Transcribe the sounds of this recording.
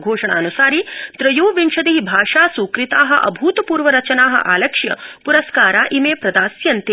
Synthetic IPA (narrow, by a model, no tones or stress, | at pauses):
ɡʱoːʂɐɳa̰ːnusaːɾit̪ɾɐjuːʋiɳʃɐd̪iɦibʱaːʂaːsuːkɾit̪aːɦɐʔɐ̰bʱuːt̪puːɾʋɐɾɐt͡ʃɐnaːɦɐ̰̆ʔaːlɐkʂjɐ̰puɾɐskaːɾaːʔimeːpɾɐd̪aːsjɐnt̪i